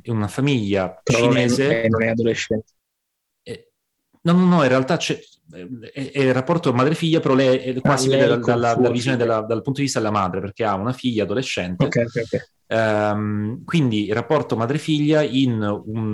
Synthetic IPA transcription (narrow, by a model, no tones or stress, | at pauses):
inunafamiʎːat͡ʃineːzenonɛad̪oleʃːɛnt̪e | ɛ | nɔnɔnːɔĩrealt̪at͡ʃɛ | ɛʔɛrːapːɔrt̪omaːd̪ɾefiʎːapeɾɔlɛɛkwasiveːd̪ead̪alːad̪alːavizjoned̪elːad̪alpunt̪od̪ivist̪ad̪elːamaːd̪ɾeperk̟eaunafiʎːaːd̪oleʃːɛnt̪ekɛokɛokɛ | ɛmkwind̪irapːɔrt̪omaːd̪ɾefiʎːainun